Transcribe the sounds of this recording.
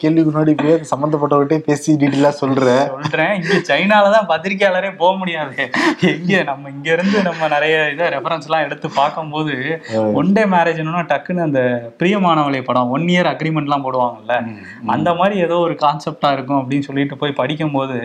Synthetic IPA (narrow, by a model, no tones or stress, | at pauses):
keːɭʋɪkɯnːaːɽipːoːjɐnɐsɐmbɐnd̪ɐp̬ːɐʈːɐʋɪʈːeːpeːsiɖiːʈːelãːsɔlɾẽːsɔlɾẽːɪŋɡeːt͡ʃɐɪnaːlɐt̪ãːpɐt̪ːɪɾɪk̬ːɪjaːlɐɾeːpoːɣɐmʊɽɪjaːðɯɛŋɡeːnɐmːɐɪŋɡeɪɾɯnd̪ɯnɐmːɐnɪɾɐjɐɪðɐɾɛfɐɾɐnslãːɛɽɯt̪ːɯpːaːɾkɯmpoːðɯɔɳɖeːmaːɾeːd͡ʒɪnːɯnːaːʈɐkːɯnːɯɐnd̪ɐpɪɾijɐmaːnɐʋɐɭɐjpːɐɽɐ̃ːɔnːɪjɐɾɐɡɾimɛɳʈlãːpoːɽɯʋaːŋɡɐɪlːɐ | ɐ̰nd̪ɐmaːd̪ɾieːðoːɔɾɯkaːnsɛp̚ʈaːɪɾɯkːʊ̃ɐp̬ːɐɽɪnːɯsɔlːɪɪʈːɯpoːjpɐɽɪk̬ʲːɯmpoːðɯ